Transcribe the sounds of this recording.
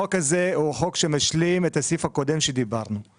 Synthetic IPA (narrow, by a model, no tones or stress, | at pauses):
okazeuχokʃemaʃlimet̪asifhako̞d̪emʃed̪ibaʁnu